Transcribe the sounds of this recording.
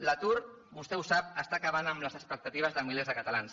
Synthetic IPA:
lət̪uɾ | bust̪ɛusap̚əst̪aːkəβanəmləzəspək̚t̪ət̪iβəzðəmilezðəkət̪alans

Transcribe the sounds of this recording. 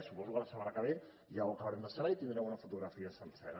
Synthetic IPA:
supɔzukələsəmanəkəβe | ʒawəkəβəɾɛmd̪əsəβait̪ind̪ɾɛmunəfut̪uɣɾəfiəsənsɛɾə

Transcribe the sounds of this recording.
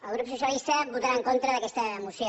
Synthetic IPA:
əlˠɣ̞ɾupsusjəlist̪əβut̪aɾaəŋkont̪ɾəðəkɛst̪əːmusjo

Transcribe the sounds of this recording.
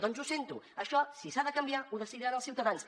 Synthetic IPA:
ðɔnzusent̪uəʃɔsisaðəkəmbiauðəsiðiɾanəlˠsiuwt̪əðans

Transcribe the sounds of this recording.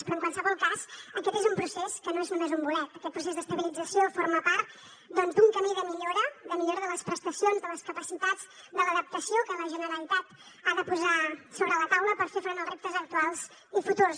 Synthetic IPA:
spɾɔəŋkwalˠsəβɔlˠkazəkɛt̪ezumpɾuseskənoeznumezumbulɛt̪̚əkɛt̪̚pɾusezd̪əst̪əβilid͡zəsiofoɾməpaɾt̪̚ | d̪ɔnzd̪uŋkəmiðəmiʎoɾəðəmiʎoɾəðələspɾəst̪əsionzðələskəpəsit̪ad͡z | d̪ələðəp̚t̪əsiokələʒənəɾəlit̪at̪ | aðəpuzasoβɾələt̪awləpəɾfefɾonəlˠrept̪əzək̚t̪ualˠz | ifut̪urs

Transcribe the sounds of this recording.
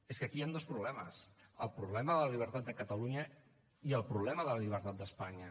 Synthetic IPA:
eskəkiand̪ospɾuβ̞lɛməsəlˠpɾuβlɛməðələʎiβ̞əɾt̪at̪̚d̪əkət̪əluɲə | iəlˠpɾuβlɛməðələʎiβ̞əɾt̪at̪̚d̪əspaɲə

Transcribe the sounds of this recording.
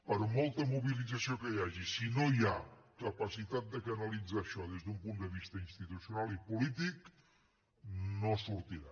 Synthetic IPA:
pəɾmolˠt̪əmuβilid͡zəsiokəjaʒisinojakəpəsit̪at̪̚d̪əkənəlid͡zaʃɔðezðumpund̪əβist̪əinst̪it̪usiunalˠipulit̪ik | nosuɾt̪iɾa

